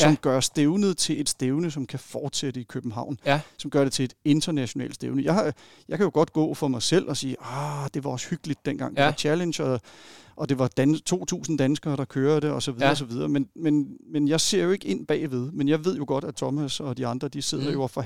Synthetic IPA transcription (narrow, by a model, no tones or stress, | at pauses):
sɒ̽mɡ̥ɶɐsd̥eʊnð̩ˠt͡sʰe̝le̝d̥sd̥eʊnəsɒ̽mkʰæfɒːd̥sed̥əikʰøb̥m̩ɦɑ̈ʊ̰nsɒ̽mɡ̥ɶɐɾ̥e̝t͡sʰe̝e̝d̥e̝nd̥ɐnæɕo̝nɛ̰ːldsd̥e̝ʊnəjɑ̈ɪhɑ̈ | jɑ̈ɪkʰæjo̝ɡ̥ɒ̽d̥ɡ̥ɔ̰̽ːfɒ̽mɑ̈ɪsel̰ɒ̽siːɒd̥e̝ʋɑ̈ɒ̽sə̥hyɡ̥lid̥̚ːenɡ̥ɑ̈ŋdeɑt͡ɕʰælenɕɒʔɒ̽d̥e̝ʋɑ̈d̥ænt͡sʰo̝̰ːt͡sʰṵːsn̩d̥ænsɡ̥ɐːɾ̥ɑ̈kʰøːɐd̥e̝ɒ̽sɒ̽ʋiðˠɐɒs̬ɒ̽ʋið̞ˠɐːmenmenmenjɑ̈ɪse̝ɐ̰jo̝e̝ɡ̥əe̝n̰b̥ɛ̰ːʋe̝ð̞ˠmenjɑ̈ɪʋe̝ð̞̰ˠjoɡ̥ɒ̽ɾ̥æt͡sʰɒ̽mæsɒ̽d̥iɑ̈nd̥ʁɐd̥ise̝ð̞̰ˠɐjo̝ɒfɒ